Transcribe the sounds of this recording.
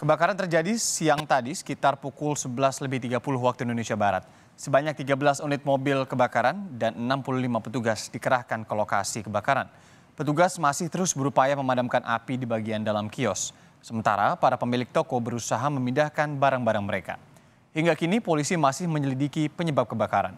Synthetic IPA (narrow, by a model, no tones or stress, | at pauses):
kəbakaɾant̪ərd͡ʒadisijaŋt̪adisə̥kit̪arpukʊlsəbəlasləbɪht̪iɡapulʊɦwak̚t̪uindonesiabaɾa̰t̪̚ | səbaɲak̚t̪iɡabəlasunɪt̪̚mobɪlkəbakaɾandanənampuluhlimapət̪uɡasdikəɾahkankoloka̰sikəbakaɾa̰n | pət̪uɡasmasɪht̪əɾʊsbəɾupajaməmadamkanʔa̰pidibaɡiandalamkiɔsː | əmənt̪a̰ɾa̰paɾapəmilɪk̚t̪okobəɾusaɦaməmindahkanbaɾaŋbaɾaŋməɾeka̰ | hiŋɡakinipolisimasɪhməɲəlidikipəɲəbap̚kəbakaɾa̰n